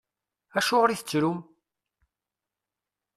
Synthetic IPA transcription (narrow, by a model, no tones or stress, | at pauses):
æʃʊʁɾiθə̥t͡sːɾum